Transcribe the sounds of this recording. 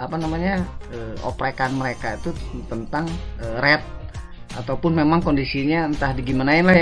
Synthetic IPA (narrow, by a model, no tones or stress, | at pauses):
apanamaɲaəːo̰pɾakanməɾekait̪ut̪ənt̪aŋərɛt̪̚ | at̪awpʊnmemaŋkondisiɲant̪ahdiɡimanaɪnlahj